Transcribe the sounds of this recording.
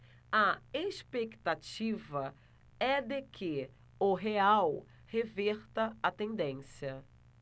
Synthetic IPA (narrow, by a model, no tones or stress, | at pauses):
ɐeʃpekt̪at͡ʃivɐ | ɛd̪ɪkʰɪ | ʊɦeaw | hevɛɾt̪ɐɐt̪ẽnd̪ẽsjɐ